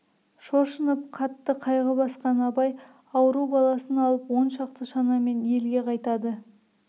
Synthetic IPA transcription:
ʃo̞ʃənəp̚qʰɑt̪ːəqʰɑjʁəbɑsqɑnɑpɑj | ɑwəɾubɑlˠɑsənɑlˠəpwo̞nʃɑqt̪əʃɑnɑme̞nje̞lɡʲe̞qʰɑjt̪ɑd̪ə

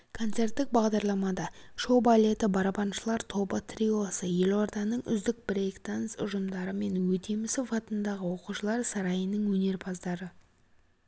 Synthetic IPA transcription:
kʰo̞nt̪se̞rt̪ːɪk̚bɑʁd̪ɑɾlˠɑmɑd̪ɑʃo̞balʲe̞t̪ɪbɑɾɑpɑnʃəlˠɑɾt̪ʰo̞bət̪ʰrʲio̞səje̞lo̞ɾd̪ɑnəɴʏ̰zd̪ɪk̚bɾejkt̪ansʊ̰ʒəmd̪ɑɾəme̞nwɵt̪ʰe̞mɪsɪfɑt̪ənd̪ɑʁəwo̞quʃəlˠɑɾsɑɾɑjənəɴwɵne̞ɾpʰɑzd̪ɑɾə

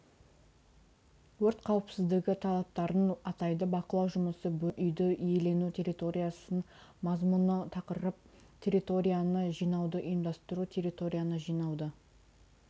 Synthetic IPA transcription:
wɵɾt̪qʰɑwəpsɪzd̪ɪɡʲɪt̪ʰɑlˠɑp̚t̪ɑɾənɑt̪ɑjd̪əbɑqəlˠɑwʒʊməsəbɵʔʏjd̪ɪʔʏje̞le̞nut̪ʲʰe̞rʲit̪o̞ɾʲijasən | mɑzmunət̪ʰɑqəɾəp̚ | t̪ʲʰe̞rit̪o̞ɾʲijanəʒijnɑwd̪əʔʏjəmd̪ɑst̪əɾut̪ʲʰe̞ɾʲit̪o̞ɾʲijanəʒijnɑwd̪ə

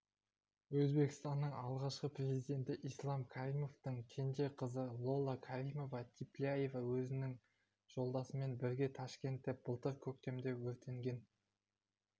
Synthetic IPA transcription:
wɵzbe̞kʲɪst̪ɑnːəɴɑlˠʁɑʃqəpre̞zijd̪e̞nt̪ɪʔijslˠɑmkʲʰaɾimo̞ft̪əɴkʲʰe̞nd̪e̞qʰəzəlˠo̞lˠakʰaɾimo̞vɑt̪ʰiplʲiajevawɵzɪnɪŋ | ʒ̥o̞lˠd̪ɑsəme̞nbɪɾɡʲe̞t̪ʰɑʃkʲe̞nt̪ːe̞b̥əlˠt̪əɾkʲʰɵk̚t̪e̞md̪e̞wɵɾt̪e̞ŋɡʲe̞n

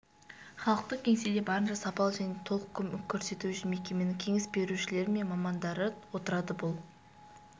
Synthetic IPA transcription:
χɑlˠəq̚t̪əqkʲʰe̞ŋsed̪ebɑɾənʃɑsɑpɑlˠʒæne̞t̪ʰo̞lˠəqkʲʰkʲʰːɵɾse̞t̪uʃɪme̞kʲe̞me̞nɪŋkʲʰe̞ŋɪsbe̞ɾuʃɪle̞ɾɪme̞nmɑmɑnd̪ɑɾəwo̞t̪əɾɑd̪əbʊlˠ

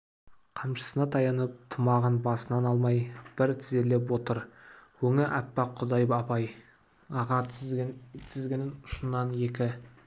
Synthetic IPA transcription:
qʰɑmʃə̥sənɑt̪ʰɑjɑnəp̚t̪ʰəmɑʁənbɑsənɑnɑlˠmɑjb̥ɪɾt̪ʰɪzele̞p̬wot̪əɾwɵŋɪʔæpːɑqʰːʊd̪ɑjəpɑpɑj | ɑʁɑ | t̪ʰɪzɡʲenɪnʊ̥ʃənːɑnje̞kʲɪ

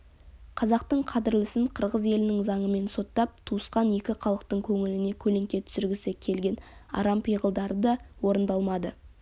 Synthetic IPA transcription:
qʰɑzɑqt̪əɴqʰɑd̪ɪɾlɪsɪɴqʰəɾʁəze̞lɪnɪŋzɑɴəme̞nso̞t̪ːɑp̚t̪ʰuəsqɑne̞kʲɪqʰɑlˠəq̚t̪əɴkʲʰɵŋɪlɪne̞kʲʰɵle̞ŋkʲe̞t̪ʰʏ̥sʏɾɡʲɪsekʲʰe̞lɡʲe̞nɑ̰ɾɑmpʰijʁəlˠd̪ɑɾəd̪ɑwo̞ɾənd̪ɑlˠmɑd̪ə

